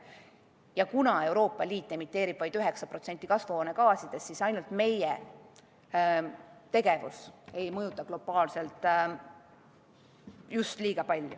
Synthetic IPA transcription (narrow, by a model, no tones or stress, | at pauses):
jɑkunɑe̞wɾo̞ːpˑːɑliːt̪ːˑemit̪ːˑe̞ːɾib̥vɑjd̪yɦe̞ksɑpɾro̞t̪se̞nt̪ːˑikɑsvhoːne̞kɑːsid̪̥e̞sːisɑjnult̪me̞jḛ | t̪e̞ɡe̞vṵse̞jmɤjut̪ːˑɑɡ̥lo̞b̥ɑːlse̞lt̪ˑ | just̪liːɡ̥ɑpɑlʲːjṵ